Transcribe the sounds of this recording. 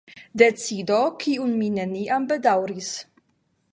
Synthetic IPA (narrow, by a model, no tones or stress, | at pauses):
d̪et͡sid̪okʰiunmineniʔambed̪awɾis